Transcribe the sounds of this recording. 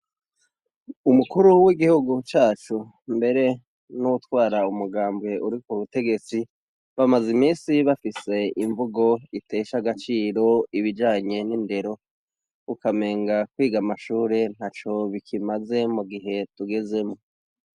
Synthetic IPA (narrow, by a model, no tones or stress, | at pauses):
umukuɾuwiɡihuɡut͡ʃaːt͡ʃu | mbe̞ɾe̞ | nuwutwaːɾaumuɡaːmbɡe̞ʔuɾikuβute̞ɡe̞t͡si | βamazimiːsiβafise̞iɱvuɡo̞ite̞ːʃaɡat͡ʃiːɾo̞iβid͡ʒaːɲe̞ninde̞ɾo̞ | ukame̞ːŋɡakwiːɡamaʃuːɾe̞n̥hat͡ʃo̞βikʰimaze̞muɡiɦe̞tuɡe̞ze̞mo